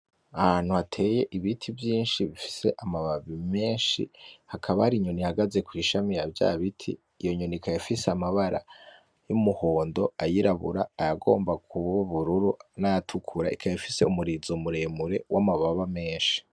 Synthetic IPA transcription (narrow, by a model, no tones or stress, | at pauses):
ahan̥huhatʰe̞ːje̞ʔiβitʰivjiːnʃiβifi̥se̞ʔamaβaβime̞ːnʃḭhakʰaβahaɾiɲo̞nihaɡaze̞kwiʃamijavja̰βitʰḭː | jo̞ɲonikʰajifiseamaβaɾa̰ | jumuho̞ːndo̞ajiɾaβṵɾaːjaɡo̞̰ːmbakʰuβuβuɾuɾunajatʰukʰuɾa̰ʔḭkʰajifise̞̰umuɾizomuɾe̞ːmuɾe̞wamaβaβame̞ːnʃi̥